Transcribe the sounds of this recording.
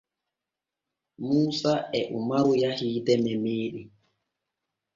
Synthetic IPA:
muːsaʔɛʔumaɾujahiːdɛmɛmeːɗi

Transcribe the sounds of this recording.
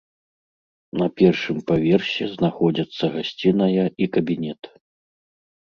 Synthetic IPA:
nɐpʲɛrʂɨmpavʲɛrɕʲɛznaxɔd͡zʲɐt̪sːɐɣasʲt͡sʲinɐjɐikɐbʲinʲɛt̪

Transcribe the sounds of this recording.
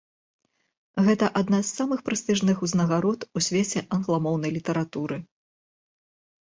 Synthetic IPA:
ɣɛt̪ɐʔad̪nazːamɨxpɾɨst̪ɨʐnɨxuznɐɣaɾɔt̪usʲvʲet͡sʲɛʔɐnɣlˠamɔwnɐjlʲit̪ɐɾat̪uɾɨ

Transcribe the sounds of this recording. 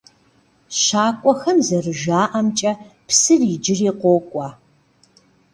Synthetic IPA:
ʃaːkʷʼɔxɐmzɐrɨʒaːʔɐmt͡ʃʼɐpsɨriːd͡ʒɪriːqʷoːkʷʼɑː

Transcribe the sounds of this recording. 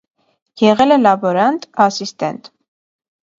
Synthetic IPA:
jɛʁɛlɛlɑbɔɾɑnt̪ʼɑsist̪ɛ̰nt̪

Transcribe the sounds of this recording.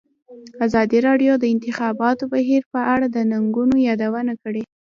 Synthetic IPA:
azɑd̪iɾɑɖjod̪əɪnt̪ɪxɑbɑt̪obaɦiɾpəʔaɽad̪ənaŋɡunojɑd̪awənakəɽe

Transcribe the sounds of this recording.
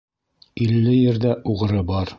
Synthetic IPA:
ilːɘjɘ̆ɾðæʔuʁɤ̆ɾɤbɑɾ

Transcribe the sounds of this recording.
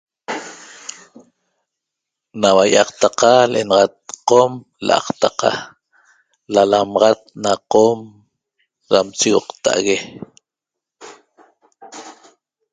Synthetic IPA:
nawajʔɑqt̪aqalʔenɑʁɑt̪̚qom | lʔɑ̰qt̪aqɑ̰ | lalamɑʁɑt̪̚naqom | ɾamt͡ʃiwɔqt̪a̰ʔaɣe

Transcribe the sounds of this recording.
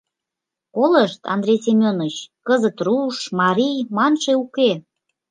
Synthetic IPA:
koləʃt̪ɑ̰nd̪ɾʲejsʲemʲonət͡ɕkəzət̪ruʃmɑɾʲijmɑnʃeuke

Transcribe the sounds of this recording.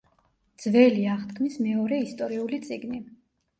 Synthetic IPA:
d̪z̥vɛliaʁt̪kʰmismɛɔɾɛist̪ʼɔɾiulit̪sʼiɡni

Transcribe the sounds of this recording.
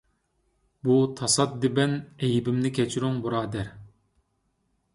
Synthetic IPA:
but̪ʰɑsɑt̪̚d̪ɪbɛnɛjbɪmnɪkʲɛt͡ʃʰiɾyŋbuɾɑːd̪ɛɾ

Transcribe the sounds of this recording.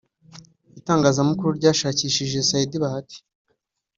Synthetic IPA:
itaːŋɡaːzamukuɾuɾɟaːʃaːciːʃiʒe̞saidiβahati̥

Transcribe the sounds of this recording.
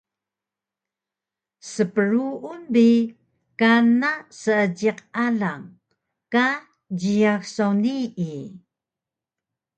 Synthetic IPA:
səpəɾuunbi | kanasəəɟiqaɮaŋ | ka | d͡ʑijaxsawnii

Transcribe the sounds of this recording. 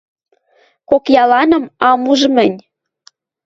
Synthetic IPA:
kokjɑlɑnɤ̆mɑmuʒɤmɘ̆nʲ

